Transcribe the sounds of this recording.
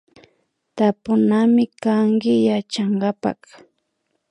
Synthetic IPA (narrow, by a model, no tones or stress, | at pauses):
t̪apʊnamɪkaŋkɪjat͡ʃaɴɢapa̰k